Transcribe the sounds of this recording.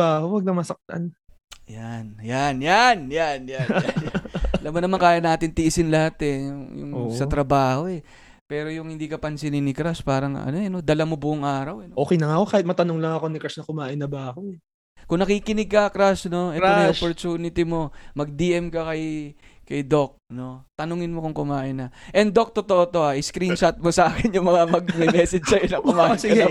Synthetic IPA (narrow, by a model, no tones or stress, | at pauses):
aɐkowɐɡ̚nɐmɐsɐk̚t̪ɐ̰n | janjanjanjanja | lamːonɐmɐŋkaːjɐnaːt̪ɪnt̪ɪʔɪsɪnlɐhat̪ɛjʊjʊ̰ŋːsɐt̪ɾɐbaːho̞ɛ | pɛːɾo̞jʊŋhɪnd̪iːkɐpɐnsɪnɪnɪkɾaspaːɾɐŋʔɐ̰no̞ɛno̞d̪ɐlɐmo̞bʊʔʊŋʔaːɾɐwɛnoʔo̞ːkɛjnɐŋaɐko̞kaːhɪt̪mɐt̪ɐnoŋlɐŋɐko̞nɪkɾasnɐkʊmaːʔɪnːɐbɐɐkoɛ | kʊŋnɐkiːkɪnɪɡ̚kɐkɾasno̞ʔɛoɪʔopoɾt̪uːnɪt̪ɪmo̞mɐɡ̚d̪iːʔɛmkɐkɐjkɐjd̪o̞k̚no̞t̪ɐnʊŋɪnmo̞kʊŋkʊmaːʔɪnːɐʔɛnd̪o̞k̚t̪ot̪oʔot̪o̞ʔaʔɪskɾinʃɐt̪̚mosɐʔaːkɪnjʊŋmɐŋamɐɡ̚mɪmɛːsɛd͡ʒsɐjonɐŋkʊmaːʔɪnɐ